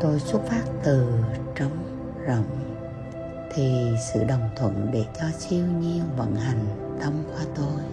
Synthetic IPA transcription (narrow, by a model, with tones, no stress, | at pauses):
t̪o˧jswə˦˥t̚faː˦˥t̚t̪ɨ˨˩t͡ɕə˧wŋ͡m | zə̰˧˨wŋ͡m | t̪ʰi˨˩sɨ̰˧˨ɗə˨˩wŋ͡mt̪ʰwə̰˧˨nɗe˧˩t͡ɕɔ˧t͡ɕi˧əwɲi˧əwvə̰˧˥nha˨˩jŋ̟ | t̪ə˧mkwaː˧t̪o˧j